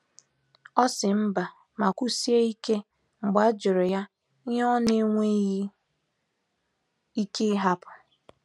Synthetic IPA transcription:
ɔ˦sɪ˨m̩˦ba˨ | ma˨kʷu˦si˦e˦i˦ke˦ | ŋ͡m̩˨ɡ͡ba˨˦d͡ʒʊ˨ɾʊ˨ja˦ | ɔ˦ne˦ŋʷe˦ji˦ | i˦ke˦ɦa˦pʊ̥˨

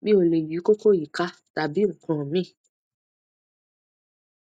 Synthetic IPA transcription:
bi˦o˨le˨ji˨˦ko˦ko˦˨ji˨ka˧˦ta˨bi˦ŋ̩˨kɔ̃˨mĩ˦˨

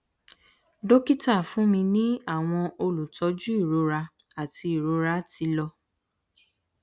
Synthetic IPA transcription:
do˦ki˦ta˦˨fũ˨˦mĩ˧nĩ˦a˦˨w̃ɔ̃˧o˧lu˨tɔ˨˦d͡ʒu˦i˦˨ɾo˨˦ɾa˧ | a˨ti˧i˨ɾo˨˦ɾa˧˦ti˧˦lɔ˧

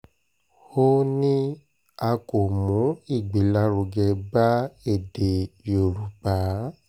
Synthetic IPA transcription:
ho˦nĩ˦ | a˧ko˨mũ˨˦i˦˨ɡ͡be˨˦la˧˦ɾo˨ɡɛ˧ba˦e˦˨de˨jo˨ɾu˨˦pa˨˦

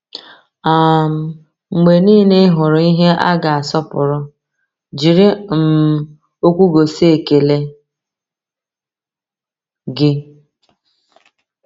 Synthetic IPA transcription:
a˨m̩˦ | ŋ͡m̩˨ɡ͡be˨niː˦ne˦ɦʊ˨ɾʊ˨i˦ɦe˦ʔa̰˦ɡa˨a˨sɔ˦pʊ˨ɾʊ˦ | d͡ʒi˨ɾɪ˦m̩˨ | o˦kʷu˦ɡo˨se˦e˨ke˨le˦ | ɡɪ˦

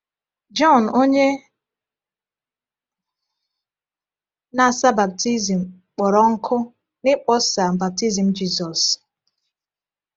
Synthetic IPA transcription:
d͡ʒɔ˦˨n˨o˦ɲe˦ | na˨sa˦ba˨b̚ti˦zi˨m̩˨ | k͡pɔ˨ɾɔ˦ŋ̩˦kʰʊ˦ | nɪ˦k͡pɔ˦sa˨m̩˨ba˨p̚ti˦zi˨m̩˨d͡ʒi˦zɔ˨s

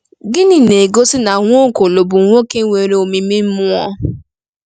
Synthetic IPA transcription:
ɡɪ˦nɪ˦ne˨ɡo˦sɪ˦na˨ŋʷ˦o˦ŋ˨ko˨lo˨bʊ˨ŋ̩˨ŋʷo˦ke˦ŋʷe˨ɾe˨o˨mi˨mi˦m̩˦mʊ˦ɔ̰˦

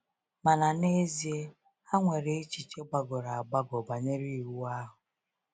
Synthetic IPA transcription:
ma˨na˨ne˦zi˨e˦ | a˦ŋʷe˨ɾe˨e˦t͡ʃi˨t͡ʃe˦ɡ͡ba˨ɡo˨ɾa˨a˨ɡ͡ba˦ɡɔ˨ba˨ɲe˦ɾi˦˨ɾu˦a˦ɦʊ˨

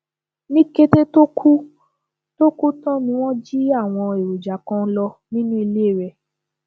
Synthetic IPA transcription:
nĩ˦ke˦te˦to˦kʰu˦ | to˦ku˦tɔ̃˦nĩ˧w̃ɔ̃˦d͡ʒi˦a˦˨w̃ɔ̃˧e˨ɾo˨d͡ʒa˨kã˧n̩˦lɔ˧nĩ˦nũ˦i˧le˦˨ɾɛ˨

